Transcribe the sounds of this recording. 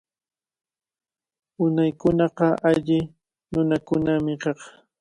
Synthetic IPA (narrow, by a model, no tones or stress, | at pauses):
ʊnajkʊnɑqɑʔaʎɪ | nʊnakʊnamɪkɑχ